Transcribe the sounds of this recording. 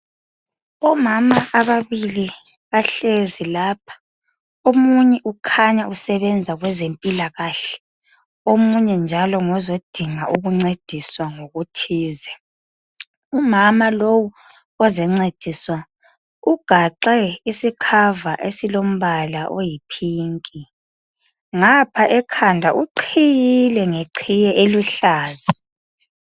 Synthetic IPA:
ɔmamaʔːβaβili | βaɬezilaːp̚ʰḁ | omuɲɛʔukʰaɲausɛβɛnd͡zʱaɣwɛzempʼilaɣaɬɛ̥ | omuɲɛnd͡ʒʱalɔŋɔzod̥ʱiŋaʔuɣuŋ͡ǀed̥ʱiswaŋoɣutʰiːzɛ | umamalowu | ɔzɛŋ͡ǀed̥ʱiswa | uɡ̥ʱaǃɛisikʰavaʔesilom̩βalaʔojipʰiːŋkʼi | ŋapʰaʔɛkʰandʱaʔuǃʰijilɛŋeǃʰijɛʔeluɬaːzi

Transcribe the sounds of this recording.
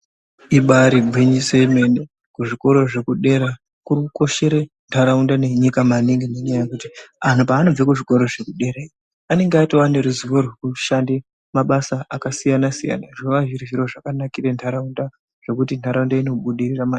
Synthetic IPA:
iɓaɾibʱwiɲiseme̞ne | kuʐiko̞ɾo̞ʐe̞kuɗe̞ɾa | kuruko̞ʃe̞ɾe | ntʰaɾaundane̞ɲikamaniŋɡeneɲajekutian̤upaːno̞b͡vekuʐiko̞ɾo̞ʐe̞kuɗe̞ɾai | ane̞ŋɡeaitoane̞ɾuziʋorwekuʃande | maɓasaakasijanasija̰naʐoʋaʐiriʒiɾo̞ʐakanakirentʰaɾaunda | ʐ̥e̞kutintʰaɾaundainoɓuɗirirama

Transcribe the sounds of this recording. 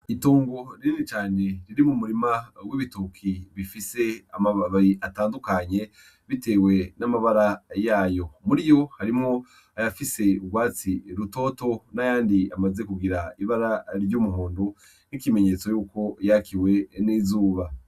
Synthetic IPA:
ituːŋɡoɾiɾinit͡ʃaːne̞ɾiɾimumuɾimawiːβitukʰiβifise̞amaβaɾiʔataːndukaɲe̞ | βite̞ːwe̞namaβaɾajaːjo̞muɾijo̞haɾimŋo̞ | ajafise̞uɡwaːt͡siɾuto̞ːto̞najaːndiamaze̞kuɡiɾaiβaɾaɾɟuːmuɦuːndu | nikime̞ɲe̞t͡so̞juːko̞jakiwe̞nizuːβa

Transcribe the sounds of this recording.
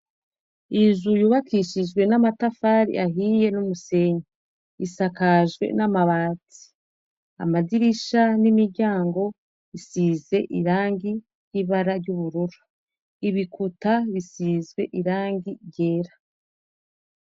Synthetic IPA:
izujuːβakʰiʃiʒɡwe̞namatafaːɾḭʔaɦiːje̞numuse̞ɲa | isakaʒɡwe̞̰namaβaːti̥ | a̰maziɾiʃanimiɾɟaːŋɡo̞ | isiːze̞ʔiɾaːŋɡi | jiβaɾaɾɟuβuɾuɾu̥ | iβikutaβisiːzɡwe̞ʔiɾaːŋɡiɟe̞ːɾḁ

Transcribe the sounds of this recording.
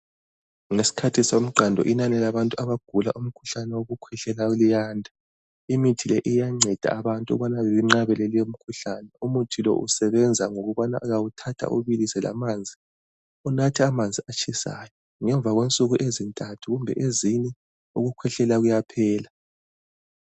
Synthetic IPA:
ŋesi̥kʰatʰisom̩ǃandʱɔ̰ʔinanɛlaβantʼuaβaɡ̥ʱula̰ʔum̩kʰuɬanɛwoɣukʰwɛɬɛlaulijaːndʱa | imitʰilɛʔijaŋ͡ǀʱɛd̥ʱa̰ːβantʼṵβanaβeβiŋ͡ǁaβɛlelijom̩kʰuɬanɛumutʰilɔ̰ʔṵsɛβɛnd͡zʱaŋoɣuβana̰ɣawutʰatʰa̰ʔṵβilisɛla̰maːnd͡zʱi | unatʰiamand͡zʱiat͡ʃʰʼisa̰ːjɔ | ŋɛɱb̪vʱaɣwent͡sʼuɣuʔezintʼatʰuɣumbʱɛ̰ʔezinɛ | uɣukʰwɛɬɛlaɣujapʰɛːla

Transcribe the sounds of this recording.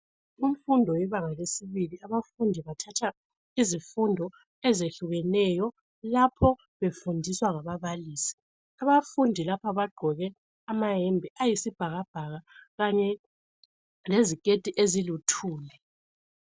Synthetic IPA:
um̩fundʱɔwɛβaŋalesiβiliaβafundʱiβatʰatʰa | izifundʱɔ | ɛzeɬuɣɛnɛjɔ | lapʰɔ | βefundʱiswaŋaβaβaliːsi̥ | aβafundʱilapʰaβaɡ͡ǃʱɔɣɛ | amaɦɛmbʱɛʔajisib̥ʱaɣab̥ʱaɣaɣaɲɛ | lezikʼed̥ʱiʔezilutʰuːlɛ

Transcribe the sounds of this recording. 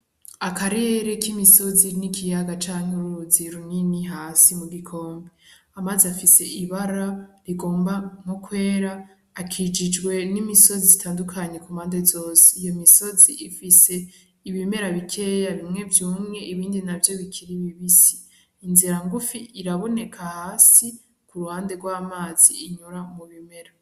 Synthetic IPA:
akaɾeɾekimiso̞zinikʰijaɡat͡ʃaːŋ̥uɾuziɾunniniɦaːsimuɡikʰo̞ːmbe | amazafise̞ʔiβaɾaɾiɡo̞ːmbaŋ̥okwe̞ːɾaː | kʰid͡ʒid͡ʒɡwe̞nimiso̞zizitʰaːndukʰaɲe̞kumaːndezo̞ːse̥ijo̞miso̞ziʔifise̞ | iβime̞ɾaβikʰe̞ːjaβimŋe̞vjuːmŋe̞ʔiβiːndinavjo̞βikʰiɾiβiβisi̥ː | nziɾaŋɡufiʔiɾaβo̞ne̞kʰahaːsi | kuɾuhaːnde̞ɡwaːmaːz̥ḭiɲuɾamuβime̞ɾa

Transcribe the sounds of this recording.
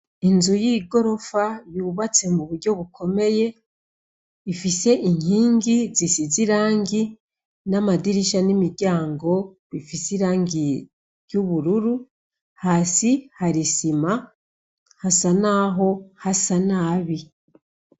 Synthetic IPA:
inzujiːɡo̞ɾo̞faβjuːβat͡se̞muβuɾɟo̞βukʰo̞me̞je̞ | ifise̞ʔiɲiːŋɡizisiziɾaːŋɡi | namadiɾiʃanimiɾɟaːŋɡo̞ | βifisiɾaːŋɡi | ɾjuβuɾuɾu | haːsihaɾisima | hasanaɦo̞hasanaːβi

